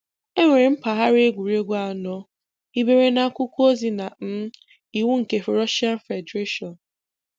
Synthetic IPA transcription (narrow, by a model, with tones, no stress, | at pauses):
e˦ŋʷe˨ɾe˨m̩˦pa˨ɦa˦ɾɪ˦e˦ɡʷu˨ɾe˦ɡʷa˦˨nɔ˦ | i˦be˦ɾe˦na˦kʷʊ˦kʷo˦zi˦na˨n̩˦ | i˨wu˦ŋ̩˨ke˨fe˨ɾɔ˦ʃa˦n̩˦fe˨de˦ʃɔ˨n